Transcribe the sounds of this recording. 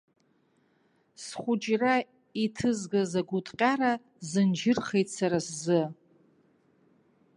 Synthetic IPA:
sχʷʊd͡ʒra | itʰɨzɡazaɡʷʊtʼqʲʼaɾa | zɨnd͡ʒɪrχejtt͡sʰaɾaszɨ

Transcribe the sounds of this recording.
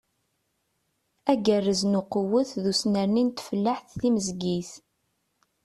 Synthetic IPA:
æɡərːəznʊqəwəθðusnəɾnint̪fəlːaħθθiməzɡiθ

